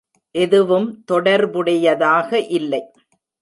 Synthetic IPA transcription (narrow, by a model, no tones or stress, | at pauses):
ʔɛðɯʋɯmt̪ɔɽɐɾbɯɽɐjɐðaːɣɐʔɪlːɐɪ